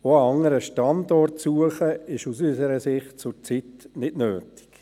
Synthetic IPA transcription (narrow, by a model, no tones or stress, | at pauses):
oɑɑŋːəɾəʃtɑndɔrtsuəχəɪʃusysəɾəsɪχt̚t͡sʊt͡sitnɪdnøːtɪ̥k